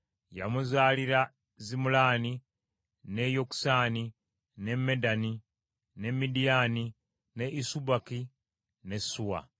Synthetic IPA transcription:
ja̰muzaːliɾa | zimulaːni | nejoksani | ne̞medani | ne̞midijani | ne̞ʔisubaki | ne̞sːuwa̰

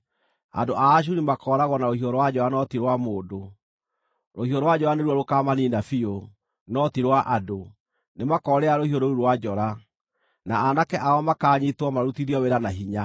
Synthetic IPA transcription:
a̰ndoʔaːʃ̬uɾimakɔɾaɣwɔnaohiɔɾowad͡ʑɔɾanɔtiɾwamoːdo | ɾohioɾowad͡ʑɔɾaneɾuɔɾokamaniːnafio | nɔtiɾwaʔado | nemakɔɾɛaɾohioɾouɾowad͡ʑɔɾa | naːnakɛʔaɔmakaːɲitwɔmaɾutiɾiɔweɾanaɦiɲa

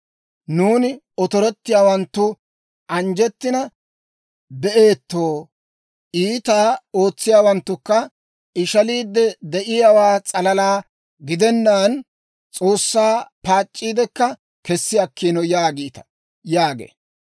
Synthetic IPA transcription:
nuːnɪ | ɔt̪ɔɾɛt̪ːɪjaːwɐnt̪ːʊ | ʔɐnd͡ʒɛt̪ːɪnɐ | bɛʔeːt̪ːo̞ː | ʔiːt̪aːo̞ːt͡sːɪjaːwɐnt̪ːʊkːɐ | ɪʃɐliːd̪ːɛd̪ɛʔɪjaːwaːt͡sʼɐlɐlaː | ɡɪd̪ɛnːaːn | t͡sʼo̞ːsːaːpaːt͡ʃʼːiːd̪ɛkːɐ | kɛsːɪɐkːiːnɔjaːɡiːt̪ɐ̥ | jaːɡḛː

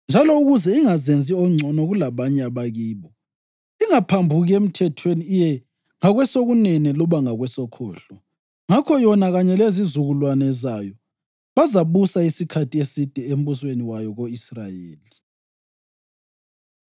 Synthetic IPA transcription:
nd͡ʒʱalɔuɣuzɛiŋazend͡zʱiɔŋ͡ǀʱɔnɔɣulaβaɲɛaβaɣiːβɔ | iŋapʰambʱuɣiem̩tʰɛtʰweniːjɛ | ŋaɣwɛsoɣunɛnɛlɔβaŋaɣwɛsɔkʰɔ̰ːɬɔ | ŋakʰɔjɔnaɣaɲɛlezizuɣulwanɛzajɔ | βazaβusaisikʰatʰiesid̥ʱɛem̩βusweniwajɔɣoisra̰jeːli

